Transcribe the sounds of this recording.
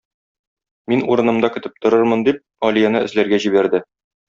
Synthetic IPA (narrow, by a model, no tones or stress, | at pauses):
minuɾɤ̆nɤ̆md̪ɑkɘ̆t̪ɘp̚t̪ŏɾɤɾmɤ̆nd̪ip̚ɒlijɑnɤɘ̆zlæɾɡæʑibæɾd̪ɘ